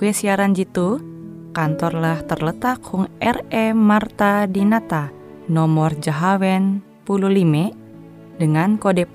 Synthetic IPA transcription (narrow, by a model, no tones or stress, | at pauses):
kuɛsiaɾand͡ʒit̪u | kant̪ɔrlaht̪ərlət̪ak̚huŋɛrɛmart̪adinat̪a | nɔmɔrd͡ʒaɦawɛn | pululimɛ | dəŋankodɛ